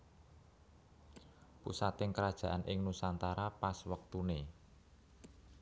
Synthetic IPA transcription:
pusat̪ɪŋkəɾad̥ʒ̥ä̤ʔanʔɪŋnusant̪aɾapaswək̚t̪une

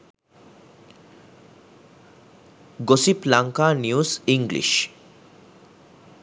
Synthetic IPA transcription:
ɡosiplaŋkanjuziŋɡlḭʃ

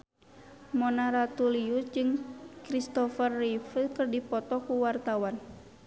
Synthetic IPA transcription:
mɔnaɾat̪uliut̚d͡ʒɨŋkɾist̪ɔfərːifəlkɨrdipɔt̪ɔkuwart̪awan

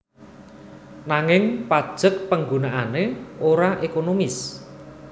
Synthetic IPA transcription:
naŋɪŋpad̥ʒ̥ək̚pəŋɡunaʔaneʔoɾaʔekonomɪs

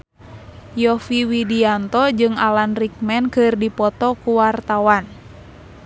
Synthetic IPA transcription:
jɔfiwidiant̪ɔd͡ʒɨŋalanrik̚mɛnkɨrdipɔt̪ɔkuwart̪awan

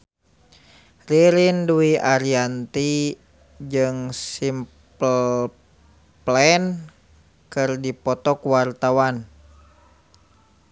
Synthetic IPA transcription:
riɾinduiʔaɾiant̪i | d͡ʒɨŋsim | pəl | plɛn | kɨrdipɔt̪ɔkuwart̪awan

